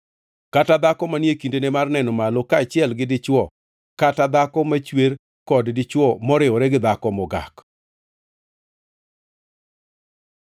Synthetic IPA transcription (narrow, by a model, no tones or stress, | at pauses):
katad̪akɔmanjekindenemarnɛnɔmalɔkat͡ʃɪɛlɡɪdɪt͡ʃwɔ | katad̪akɔmat͡ʃweɾ | kɔddɪt͡ʃwɔmɔɾɪɔɾɛɡɪd̪akɔmɔɡa̰k